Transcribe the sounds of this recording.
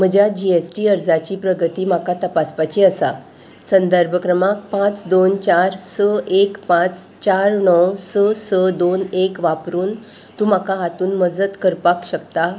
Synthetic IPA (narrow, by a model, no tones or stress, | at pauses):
m̤əd͡ʑjad͡ʑiesʈiːəɾd͡zat͡ɕiːpɾəɡət̪iːm̤akat̪əpaspat͡ɕiːəsa̰ | sənd̪əɾbʱəkɾəmak̚pãt͡sd̪ont͡ɕaɾsəekpãt͡st͡ɕaɾɳɔwsəsəd̪onekʋapɾuːn | t̪ũm̤akaɦat̪uːnməd͡zət̪kəɾpakɕəkt̪a